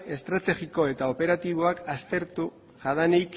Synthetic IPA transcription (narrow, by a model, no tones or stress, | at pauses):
e̞st̪ɾat̪e̞ɣiko̞e̞t̪ao̞pe̞ɾat̪iβ̞o̞akast̪e̞ɾt̪u | ʝaðanejk